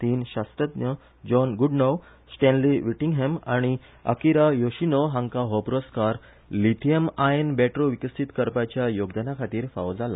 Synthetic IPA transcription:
t̪iːnɕast̪ɾət̪nə | d͡ʑɔnɡuɖnow | sʈɛ̃nliʋiʈiŋɡɦemaɽ̃i | ə̰kiɾajoɕinoɦãŋkaɦopɾoskaɾ | lit̪ʰiemaenbɛʈɾoʋikəst̪ʰit̪kəɾpat͡ɕjajoɡd̪ənakʰat̪iːɾfa̰wd͡zala̰

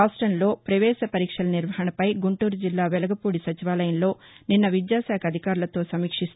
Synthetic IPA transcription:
aːsʈɾɐnlo̞ːpɾɐʋɛːsɐpɐɾiːkʂɐlɐniɾʋɐɦɐɳɐpɐjɡuɳʈuːɾud͡ʒilːaːʋɛlɐɡɐpuːɽisɐt͡ʃiʋaːlɐjɐnlo̞ː | ninːɐʋid̪jaːsaːkʰɐd̪ʱikaːɾulɐt̪o̞ːsɐmiːkʂist̪

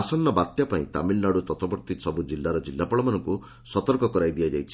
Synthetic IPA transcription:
asɔnːɔbat̪japaĩt̪a̰milnaɽut̪ɔt̪ɔbɔɾt̪isɔbud͡ʒilːaɾɔd͡ʒilːapɔɭɔmanɔŋku | sɔt̪ɔɾkɔkɔɾajd̪ijad͡ʒajt͡ʃʰi̥

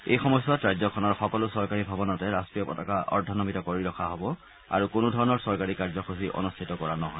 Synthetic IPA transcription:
ḛjxɔmɔjsatɹajzɔkʰɔnɔɹxɔkɔlʊsɔɹkaɹibʱabɔnɔtɛɹastɹijɔpɔ̰takaʔɔ̰ɹdʱɔnɔmitɔkoɹiɹɔkʰaɦɔbɔ | a̰ɹukʊnʊdʱɔɹɔnɔɹsɔɹkaɹikaɹzɔxʰusiʔɔ̰nustʰitɔkɔɹanɔɦɔj

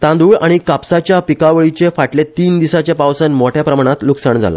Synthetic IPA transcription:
t̪ãnd̪uːɭaɽ̃ikapsat͡ɕjapikaʋəɭit͡ɕefaʈlet̪iːnd̪isat͡ɕjapaʋsənmoʈʰjapɾəmaɽ̃at̪luksəɳd͡zʱa̰la̰

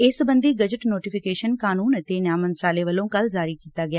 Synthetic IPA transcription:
ɪsbənd̪iːɡəd͡ʒəʈnoːʈiːpʰɪkeːʃənkaːnuːnt̪eːnjaːmənt̪ɾaːleːʋəlõːkəld͡ʒaːɾiːkiːt̪aːɡɪjaː

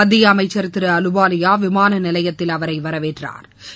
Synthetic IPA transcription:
ɐðːɪjɐːmɐɪt͡ʃːɐɾɯt̪ːɪɾɯɐlɯbaːlɪjaːʋɪmaːnɐnɪlɐjɐt̪ːɪlɐʋɐɾɐɪʋɐɾɐʋeːʈra̰ːɾ

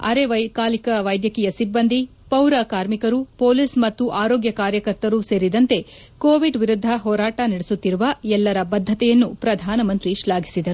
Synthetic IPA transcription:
ɐ̰ɾeʋɐkaːlikɐʋɐjd̪jɐkijɐsibːɐnd̪ʱi | pɐwɾɐkaːɾmikɐɾupoːlismɐt̪ːuʔaːɾoːɡjɐkaːɾjɐkɐɾt̪ɐɾuse̞ːɾid̪ɐnt̪e̞koːʋiɖʋiɾud̪ʱːɐɦɔːɾaːʈɐnɐɽesut̪ːiɾuʋɐɛlːɐɾɐbɐd̪ʱːɐt̪ɛjɐnːupɾɐd̪ʱaːnɐmɐnt̪ɾiʃlaːɡʱi̥sid̪ɐɾu

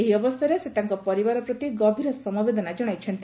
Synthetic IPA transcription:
eɦiɔbɔsjɔɾeset̪aŋkɔpɔɾibaɾɔpɾɔt̪iɡɔbʱiɾɔsɔmabed̪ɔnad͡ʒɔɽ̃ajt͡ʃʰɔnt̪

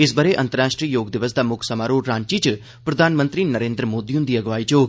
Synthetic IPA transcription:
ɪsbəɾeːʔə̃nt̪əɾaːʃʈɾiːjoːɡd̪ɪʋəs̬d̪aːmʊkʰsəmaːɾoːʈɾãːɲt͡ʃiːt͡ʃ | pɾəd̪ʱaːnmə̃nt̪ɾiːnəɾẽːnd̪ɾəmoːd̪iːʊ̃nd̪iːɐɡʋaːit͡ʃoː

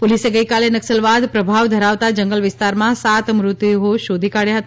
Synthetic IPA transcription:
poliseɡəjkalenəksəlʋad̪pɾəbʱaʋd̪ʱəɾaʋt̪ad͡ʒəŋɡəlʋɪst̪aɾmãsat̪mɾʊt̪iɦoʃod̪ʱikaɽjaɦət̪a

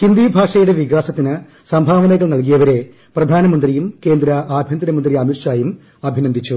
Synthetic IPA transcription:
hind̪ibʱaːʂɐjuɽe̞ʋiɣaːsɐt̪ːinɨ | sɐmbʱaːʋɐnɐɣɐɭnɐlk̬ijɐʋɐɾe̞ | prɐd̪ʱaːnɐmɐnd̪rijumke̞ːnd̪ɾɐaːbʱjɐnd̪ɾɐmɐnd̪riɐmirʂaːjum | ɐbʱinɐnd̪ʱit͡ɕːu

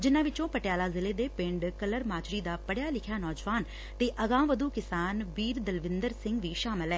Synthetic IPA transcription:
d͡ʒɪnãːʋɪt͡ʃõːpəʈejaːlaːzɪleːd̪eːpɪ̃ɳɖkələɾmaːt͡ʃɾiːd̪aːpəɽjaːlɪkʰjaːnɔːd͡ʒʋaːn | t̪eːʔəɡãːʋəd̪uːkɪsaːnʋiːɾd̪əlʋɪ̃nd̪əɾsɪŋɡʋiːʃaːmɪlɦɛː

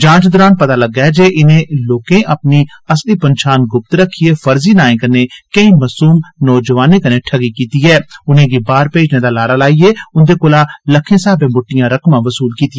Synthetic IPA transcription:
d͡ʒãːt͡ʃd̪ɾaːnpət̪aːləɡːɛːd͡ʒeːʔɪnẽːloːkẽːʔəpniːəsliːpənʃaːnɡʊp̚t̪ɾəkʰːieːfəɾziːnaːẽːkəneːkəĩːməsuːmnɔːd͡ʒəʋaːnẽːkənẽːʈʰəɡiːkiːt̪iːɛːʊnẽːɡiːbaːɾpeːd͡ʒnẽːd̪aːlaːɾaːlaːieːʊnd̪eːkolaːləkʰːẽːsaːbẽːmʊʈːɪjãːɾəkmãːʋəsuːlkiːt̪i

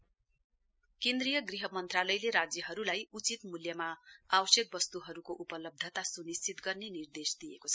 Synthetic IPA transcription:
kẽnd̪rijʌɡriɦʌmʌnt̪ralʌjleɾad͡zjʌɦʌɾulajut͡sit̪muljʌmaabʌsjek̚bʌst̪uɦʌɾukoʔupʌlʌb̚d̪ʱʌt̪asunist͡sit̪ɡʌrnenird̪esd̪ijekot͡sʰʌ̥

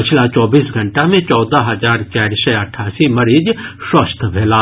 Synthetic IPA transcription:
pɪt͡ʃʰlat͡ʃɔːbiːsɡʱɐ̃ɳʈamẽt͡ʃɔːd̪aɦɐzaːɾt͡ʃaːɾsəɐʈʰaːsimɐɾiːd͡ʒʃwəst̪ʰbʱeːlaː

